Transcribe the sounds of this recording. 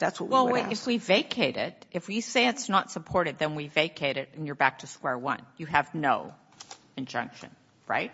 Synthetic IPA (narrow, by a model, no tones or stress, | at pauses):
ðætswʌʔwɛlˠiɨfwiveɪkʰeɪɾɪ̰ɾ̚ʔɨfwiseɪɨtsnətsəpʰɔɹɾɨd̪̚ðɨ̃nwiveɪkʰeɪɾɪɾɨ̃n̩jə˞bæk̚tʰɨskwɛɹwʌ̰̃njɨɨvnoʊ | ɨ̃nd͡ʒʌ̰̃ŋkʃɨ̰̃n | ɹa̰ɪt̚